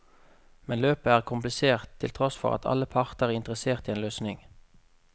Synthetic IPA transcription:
mɛnløːpəæːʁkʰʊmplɪseːʁt̪ʰːɪlt̪ʰʁɔsfɔ̰ʁɑ̰t̪ʰɑ̰ləpʰɑʁt̪əʁæːɪnt̪əʁəseːʁt̪iːeːnløːsnɪŋ

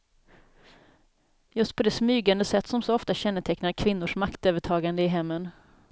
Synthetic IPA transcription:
jɵst̪̚pʰɔd̪ɛsmyːɡand̪əsɛt̪ːsɔmsɔɔft̪aɕɛnːəʈ̪ʰɛknaɾkʰvɪnːʊʂmakt̪øːvəʈʰɑːɡand̪əɪɦɛmːən

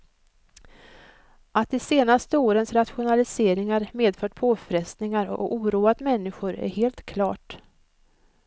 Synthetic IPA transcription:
ʔat̪̚ːɪseːnast̪əoːɾənsɾat̪ɧʊnalɪseːɾɪŋaɾmeːd̪fœːʈpʰoːfɾɛst̪nɪŋaɾɔ̰ʔuːɾuːat̪mɛnːɪɧʊɾæ̰ɾheːlt̪kʰlɑːʈ

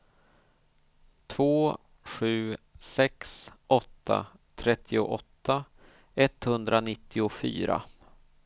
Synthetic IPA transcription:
t̪ʰvoː | ɧʉ̟ːsɛksʔɔt̪ʰːa̰t̪ʰɾɛt̪ʰːɪʊʔɔt̪ʰːa | ɛt̪hɵnd̪ɾanɪt̪ʰːɪʊfy̰ːɾa̰

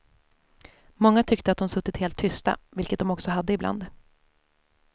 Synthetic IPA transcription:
mɔŋːat̪ʰʏkt̪əat̪̚d̪ɔmsɵt̪ːɪt̪heːlt̪ʰːʏst̪a̰vɪlkət̪̚d̪ɔmɔksɔɦad̪ːəɪbla̰nd̪

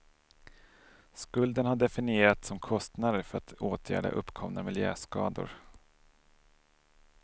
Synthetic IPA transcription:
skɵld̪ənhaɖɛfɪnɪeːɾat̪sɔmkʰɔst̪nad̪əɾfœɾat̪oːt̪ʰjæ̰ːɖa̰ʔɵpːkʰɔmnamɪljø̰ːskɑ̰ːd̪ʊ̰ɾ

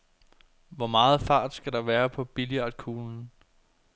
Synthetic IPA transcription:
ʋɒmɑ̈ːð̞̩ˠfɑ̈ːd̥sɡ̥æɾ̥ɑ̈ʋæːɐpʰɒ̽b̥iliɑd̥̚kʰuːln̩

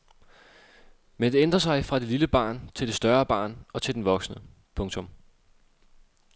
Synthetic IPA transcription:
mend̥e̝end̥ʁɐs̬ɑ̈ɪfʁɑ̈d̥e̝liləb̥ɑ̰̈ːnt͡sʰe̝lde̝sd̥ɶɐb̥ɑ̰̈ːnɒ̽t͡sʰe̝ld̥en̩ʋɒ̽ɡ̥snə | pʰɔ̽ŋt͡sʰɔ̽m

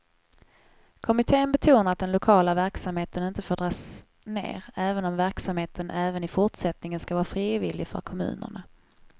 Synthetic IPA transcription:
kʰɔmɪt̪ʰeːənbɛt̪ʰuːnaɾat̪̚d̪ɛnlʊkʰɑːlavæɾksamheːt̪ənɪnt̪əfoːɖɾɑːs | nḛːɾɛːvənɔmvæɾksamheːt̪ʰənʔæːvənɪfʊʈsɛt̪nɪŋənskavɑːɾafɾiːvɪlɪfœ̰ɾkʰɔmʉ̟̰ːnə̰ɳa

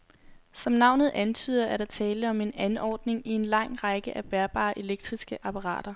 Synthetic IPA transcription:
sɒ̽mnɑ̈ʊ̰nð̞̩ˠʔænt͡sʰy̰ːð̰ˠɐʔæɐɾ̥ɑt͡sʰɛːləɒ̽me̝nænɒ̰ːd̥ne̝ŋie̝nlɑ̈ŋ̰ʁɑɡ̥əʔæb̥æɐb̥ɑ̰̈ːʔe̝leɡ̥̚d̥ʁisɡ̥əʔɑ̈pʰɑ̈ʁɑ̰̈ːɾ̥ɐ

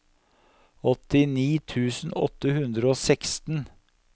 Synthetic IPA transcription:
ɔt̪ɪniːt̪ʰʉːsn̩ɔ̰t̪ːəhʉnd̪ɾəoːsɛkst̪n̩

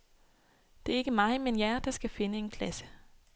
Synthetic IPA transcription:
d̥e̝æɐe̝ɡ̥əmɑ̈ɪmenjæɐd̥ɑ̈sɡ̥æfe̝nəe̝nkʰlæsə̥

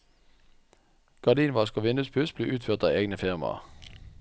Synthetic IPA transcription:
ɡ̥ɑd̪iːnʋɑːskoːʋɪnʉspʰʉsbliːʔʉːt̪føːʁt̪ɑ̰ːeːɡnəfɪʁmɑ̰

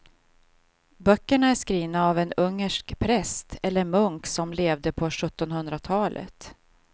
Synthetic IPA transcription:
bœkːəɳaæʂkɾiːnaːvɛnɵŋːəʂkpʰɾɛst̪ʰɛlːəɾmɵŋksɔmleːvd̪əpʰɔɧɵt̪ːɔnhɵnd̪ɾat̪ʰɑːlʔə̰t̪

